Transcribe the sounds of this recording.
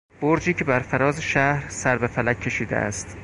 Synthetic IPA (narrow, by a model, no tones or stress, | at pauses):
b̥oɾd͡ʒiːcʰe̞bæɾfæɾɒːzeʃæhɾsæɾbefælækʲʰːe̞ʃiːd̪ḛʔæ̰st̪